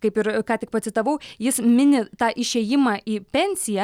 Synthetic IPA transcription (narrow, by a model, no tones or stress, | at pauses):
kɐɪpɪɾkɑːt̪ʲɪkpɐt̪ʲsʲɪt̪ɐʋɐʊjɪsmʲɪnʲɪt̪ɑːʔɪʃʲeːjɪmɑːʔiːpʲɛnʲsʲɪjɛ